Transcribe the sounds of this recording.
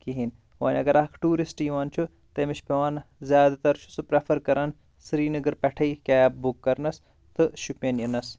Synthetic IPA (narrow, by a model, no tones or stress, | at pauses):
kiɦin | ʋa̰ːnʲɐ̰ɡɐɾɐkʰʈuːɾisʈiʋaːnt͡ʃʰu | t̪ɐmiʃpeʋaːnzʲjaːd̪t̪ɐɾt͡ʃʰu̥sɨpɾefʰɐɾkɐɾɐn | sɾiːnɐɡɐɾpɐʈʰɐikʲaːbukːɐɾnɐs | t̪ɨʃupʲɐnjinɐs